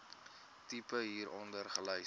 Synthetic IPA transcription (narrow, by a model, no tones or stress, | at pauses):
tipəɦiːɾʔɔndərχələj